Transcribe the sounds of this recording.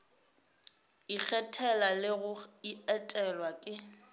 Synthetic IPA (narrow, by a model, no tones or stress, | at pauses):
ik͡xʰɛtʰɛlalɪɣʊiɛtʼɛlwakʼɪ